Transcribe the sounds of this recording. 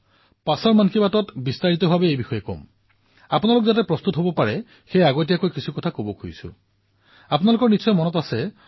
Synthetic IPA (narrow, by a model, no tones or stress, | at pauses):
pasɔɹmankʰibatɔtbistaɹitɔbʱabɛejbixɔjɛkɔ̰m | apʊnalʊkzat̬ɛpɹɔst̪utɦobɔpaɹɛ | xejaɡɔt̬ijakojkisʰukɔtʰakobɔkʰujsʊ̰ | apʊnalʊkɔɹnitsɔjmɔnɔtasɛ